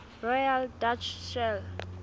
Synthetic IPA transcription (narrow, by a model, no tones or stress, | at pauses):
rɔjaldat͡ʃʃɛl